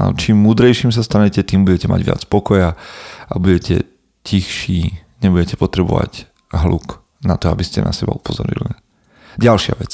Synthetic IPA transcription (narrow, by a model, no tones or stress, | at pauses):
a̰t͡ʃiːmːuːd̪ɾɛjʃiːmsast̪aɲɛcɛt̪iːmbuɟɛcɛma̰ɟʋɪa̰t͡spɔkɔjaʔabuɟɛcɛ̰ | cixʃiːɲɛbuɟɛcɛpɔt̪ɾɛbɔʋa̰ɟ | ɦluk | nat̪ɔabiscɛna̰sɛba̰upɔzɔ̰ɾḭli | ɟalʃɪa̰ʋɛt͡s